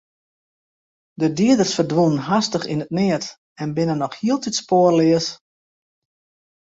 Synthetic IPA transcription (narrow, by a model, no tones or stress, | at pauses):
dədiədərsfərdʋunənɦastəχḭnət̚nɪət | ɛnbɪnənɔxhiəlˠtitspoərlɪəs